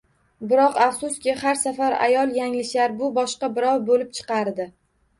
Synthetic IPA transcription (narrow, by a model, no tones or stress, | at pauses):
bɪɾɒqafsʊskʲɪhaɾsafaɾa̰jɒlˠjaŋlɪʃlaɾbʊbɒʃqɑbɪɾɒwbolɪp̚t͡ʃʰɨ̥qɑɾd̪ɪ